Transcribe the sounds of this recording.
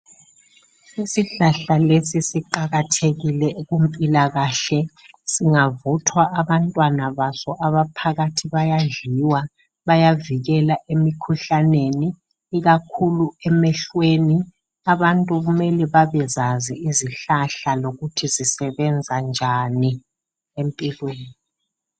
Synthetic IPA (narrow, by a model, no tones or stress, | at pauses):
isiɬaɬalesisiǃaɣatʰeɣilɛɣumpʼilaɣaɬɛ | siŋavɔtʰwaʔaβantʼwanaβasɔʔaβapʰaɣatʰiβajaɮiwa | βajaviɣɛlaʔemikʰuɬaneniː | ɣakʰuluɛmɛɬweni | aβantʼuɣumɛlɛβaβɛzaziiziɬaɬaloɣutʰizisɛβɛnd͡zʱand͡ʒʱani | empʼilweːni